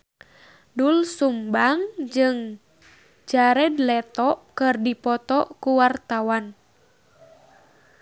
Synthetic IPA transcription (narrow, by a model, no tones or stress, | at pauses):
dulsumbaŋd͡ʒɨŋ | d͡ʒaɾɛdlɛt̪ɔʔkɨrdipɔt̪ɔkuwart̪awan